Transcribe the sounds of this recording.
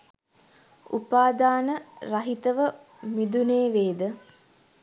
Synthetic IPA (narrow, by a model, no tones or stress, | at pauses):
ṵpaːd̪aːnərɐɦit̪əʋə | mid̪uneːʋeːd̪ə